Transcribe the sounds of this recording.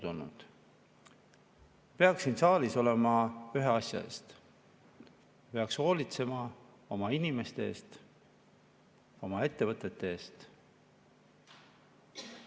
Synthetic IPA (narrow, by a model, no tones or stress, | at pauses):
d̪olnṵd̪̥ | pe̞ɑksinsɑːliso̞le̞mɑyɦeɑsʲjɑ̰ḛst̪ | jɑpe̞ɑksho̞ːlit̪se̞mɑ | o̞mɑinime̞st̪e̞eːst̪ | o̞mɑe̞t̪ːe̞vɤt̪ːˑe̞t̪ːˑe̞eːst̪